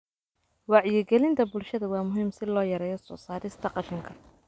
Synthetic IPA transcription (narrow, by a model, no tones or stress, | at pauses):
wɑʕjɪɡɛlɪnt̪ʰɐbʊlʃɐðɐwɑːmʊɦiːmsɪlɔːjɐɾɛːjɔsɔ̰ːsaːɾɪst̪ʰɐqɑʃɪŋkʰɐ